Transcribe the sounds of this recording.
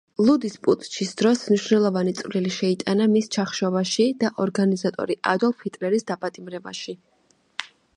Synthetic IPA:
lˠud̪ispʼut̪ʼt͡ʃʰisd̪̥ɾɔsmniʃvnɛlˠɔvanit̪sʼvliliʃɛit̪ʼanamist͡ʃʰaχʃɔvaʃid̪̥aʔɔɾɡanizat̪ʼɔ̰ɾiʔa̰d̪ɔlˠpʰit̪ʼlɛɾisd̪apʼat̪ʼimɾɛba̰ʃi

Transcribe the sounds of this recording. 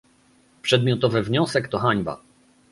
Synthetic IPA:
pʂɛd̪̚mʲjɔt̪ɔvɘvɲɔsɛkt̪ɔxaɲba̰

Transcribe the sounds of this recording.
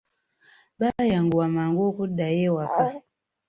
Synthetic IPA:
bajaŋɡuwamaŋɡokuɗajɛwaka

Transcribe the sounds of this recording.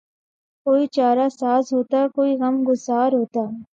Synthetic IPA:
koːit͡ʃaːɾasaːzɦoːt̪akoːiɣɐmɡʊzaːɾɦoːt̪aː

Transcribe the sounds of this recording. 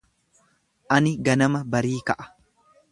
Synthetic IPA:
ʔɐnɪɡɐnɐmɐbɐɾiːkɐʔɐ̥

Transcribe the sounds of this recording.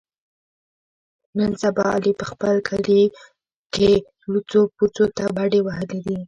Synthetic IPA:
nənsabɑ̰ːlipəxpəlkʰəli | ke | ɽut͡soput͡sot̪abaɽewaɦəled̪i

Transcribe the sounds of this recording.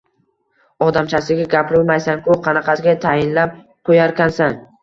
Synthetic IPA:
ɒd̪amt͡ʃʰasɪɡʲaɡʲapʰɪɾɪlˠmajsaŋkʊqʰɑnɑqʰɑsɡʲat̪ʰajɪnlap̚ | qʰojaɾkʲansan

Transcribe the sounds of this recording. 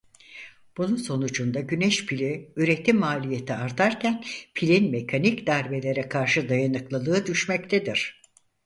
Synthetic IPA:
b̥ununso̞nud͡ʒund̪aɟyneʃpʰilʲiyɾe̞t̪ʰimːaːlʲije̞t̪ʰiaɾt̪ʰaɾcænpʰilʲinme̞kʰanicd̪æɾbe̞lʲe̞ɾɛkʰaɾʃɯd̪ajanɯklˠalˠɯːd̪yʃmɛc̚t̪ʰed̪iɾ̝̥

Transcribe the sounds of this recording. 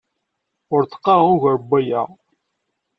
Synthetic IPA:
ʊɾθə̥qːɑʊʝɾbːæjæʁ

